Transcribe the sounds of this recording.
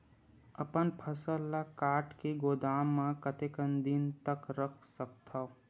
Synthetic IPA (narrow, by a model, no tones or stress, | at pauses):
əpənpʰəsəlːakaːʈkeɡoːd̪aːmːãkət̪ekənd̪int̪əkɾəkʰsək̚t̪ʰa